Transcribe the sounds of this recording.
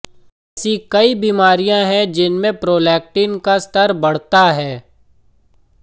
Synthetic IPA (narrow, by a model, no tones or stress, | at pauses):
sikɐibiːmaːɾijãɦɛ̃d͡ʒɪnmẽpɾoːlɛːk̚ʈiːnkast̪əɾbɐɽ̤t̪aɦɛː